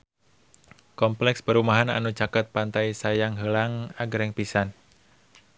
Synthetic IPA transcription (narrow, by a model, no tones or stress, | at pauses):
kɔmplɛkspəɾumaɦana̰nut͡ʃakət̪̚pant̪ajsajaŋɦəlaŋaɡəɾɛŋpisan